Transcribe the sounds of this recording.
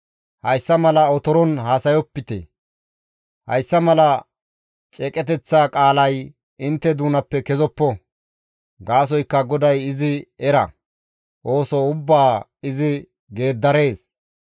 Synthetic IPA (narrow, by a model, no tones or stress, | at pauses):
hɐjsːɐmɐlɐɔt̪ɔɾɔnhaːsɐjɔpːɪt̪ɛ̰ | hɐ̰jsːɐmɐlɐ | t͡ʃʼɛkʼɛt̪ɛt͡sːaːkʼaːlɐj | ɪnt̪ːɛd̪uːnɐpːɛkɛzɔpːɔ | ɡaːs̬ɔjkːɐɡɔd̪ɐjɪzɪɛɾɐ̰ | ʔo̞ːsɔʊbːaː | ɪzɪ | ɡe̞ːd̪ːɐɾe̞ːs